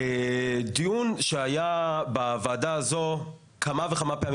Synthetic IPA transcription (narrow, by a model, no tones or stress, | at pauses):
ed̪ijunʃeajabavaːdaːzo̞ | kamaveχamapeami